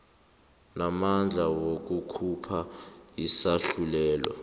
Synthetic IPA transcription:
namand͡ɮʱawok̬ʼukʰupʰaisaɬulɛːlɔ̰

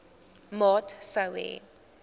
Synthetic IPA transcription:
mɔtʰsawɛ̰

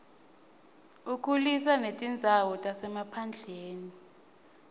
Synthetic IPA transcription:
ukʰulis̬anetʼind͡zʱawɔtʼasɛmapʰand͡ɮʱeːni

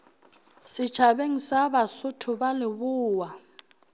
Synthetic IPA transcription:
sɪ̥t͡ʃʰabeŋ̩sabasʊtʰʊbalɪbʊːwa

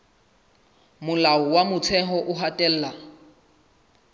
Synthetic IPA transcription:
mʊlaɔwamʊt͡sʰɛɦɔʔʊɦatʼɛl̩ːla

